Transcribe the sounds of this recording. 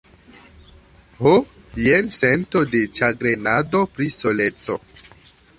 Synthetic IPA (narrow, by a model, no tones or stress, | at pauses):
ho | jemsentodet͡ʃaɡɾenado̞pɾisolet͡so̰